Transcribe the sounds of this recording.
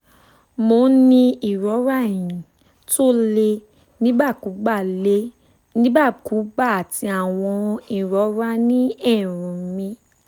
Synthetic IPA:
mo˧˦nĩ˧i˨ɾɔ˨˦ɾa˦˨j̃ĩ˨ | to˦le˧ | nĩ˦ba˦˨ku˨˦ɡ͡ba˦˨le˦ | nĩ˦ba˦˨ku˨˦ɡ͡ba˦˨a˨ti˧˦a˨w̃ɔ̃˧i˦˨ɾɔ˨˦ɾa˦nĩ˦ɛ˦˨ɾ̃ũ˨˦mĩ˧

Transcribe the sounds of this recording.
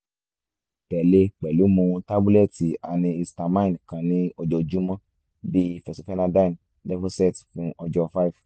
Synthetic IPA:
k͡pɛ˨le˧k͡pɛ˨lu˨˦mũ˨˧˦ta˦bu˦lɛ˦˨ti˨a˨nĩ˧i˧sta˧mã˦ĩ˨n˨kã˨nĩ˦ɔ˧d͡ʒɔ˧d͡ʒu˦mã˦ | bi˦fɛ˨si˨fɛ˦nã˧dã˦˨n | dɛ˦fo˦sɛ˦˨tfũ˦ʔɔ˧d͡ʒɔ˧fa˦i˦˨f

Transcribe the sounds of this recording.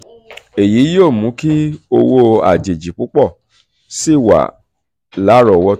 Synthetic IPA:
e˨ji˨˦joː˦˨mũ˨˦ki˦o˧wo˧a̰˨d͡ʒe˨d͡ʒi˨k͡pu˨˦k͡pɔ˦˨ | si˦˨wa̰˨ | la˨˦ɾɔ˨wɔ˧

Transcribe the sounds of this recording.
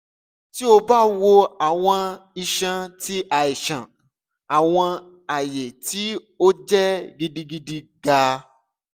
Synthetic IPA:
ti˦o˧ba˦wo˧a˨w̃ɔ̃˧i˧ʃã˧ti˦a˨i˨ʃã˨ | a˨w̃ɔ̃˧ | a˨je˨ti˨˦ | o˦d͡ʒɛ˦ɡi˧di˧ɡi˧di˧ɡa˧

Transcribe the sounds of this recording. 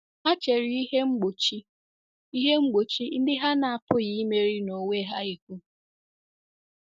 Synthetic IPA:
ha˦t͡ʃe˨ɾɪ˦i˦ɦe˦ŋ͡m̩˦ɡ͡bo˨t͡ʃi˦ | i˦ɦe˦ŋ͡m̩˦ɡ͡bo˨t͡ʃi˦n̩˦dɪ˦ɦa˦na˨a˨pʊ˦ɣi˦me˨ɾi˦no˨we˦ɦa˦i˨kʷu˦

